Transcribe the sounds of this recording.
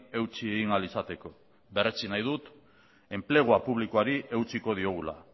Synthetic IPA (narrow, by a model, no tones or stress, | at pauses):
e̞wt͡sieɣiŋalisat̪e̞ko̞ | βe̞ret͡sinajðut̪ | e̞mple̞ɣ̞oapuβ̞likoaɾiʔe̞wt͡siko̞ð̞io̞ɣ̞ula̰